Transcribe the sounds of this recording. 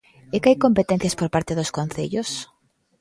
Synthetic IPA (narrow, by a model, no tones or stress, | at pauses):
ɛkɪajkompet̪ɛ̃n̟θjaspoɾpaɾt̪ɪðoskonθḛʎʊs